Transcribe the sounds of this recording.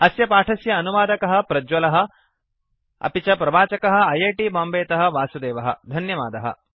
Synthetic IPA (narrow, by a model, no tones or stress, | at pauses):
ɐsjɐpaːʈʰɐsjɐːnuʋaːd̪ɐkɐɦɐ̆pɾɐd͡ʒwɐlɐɦɐ̆ | ɐ̰pit͡ʃɐpɾɐbaːt͡ʃɐkɐɦɐ̆ɐjeːʈibaːmbeːt̪ɐɦɐ̆ʋaːsud̪eːʋɐɦɐ̰d̪ʱɐnjɐʋa̰ːd̪ɐɦɐ̰